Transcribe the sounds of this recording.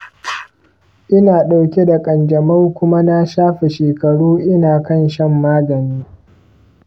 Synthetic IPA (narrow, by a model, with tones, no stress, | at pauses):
ʔɪ˦naː˨ɗa˨wkʲe˦da˨kʼɐ˨nd͡ʒɐ˨mɐ˦wkʷʊ˦ma˦na˦ʃaː˦ɸe˨ʃeː˨kɐ˨ɽuː˦ʔɪ˦naː˨kɐ˦˨nʃɐ˦˨mːaː˦ɡɐ˨niː˦